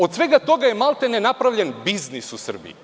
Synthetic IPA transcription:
od̪sʋeɡat̪o̞ɡajemalˠt̪enenapɾaʋʎenbiznisusr̩bḭj

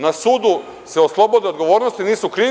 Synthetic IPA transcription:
nasuːd̪u | seoslˠo̞bo̞d̪eod̪ɡo̞ʋo̞ːɾnost̪iniːsukɾiː

